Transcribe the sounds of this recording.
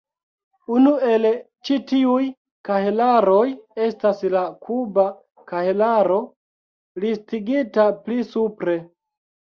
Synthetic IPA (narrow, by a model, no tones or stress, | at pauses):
unue̞l | t͡ʃitiuj | kahelaɾo̞je̞staslakʰuba | kahelaɾo̞ | listiɡitaplisupɾe̞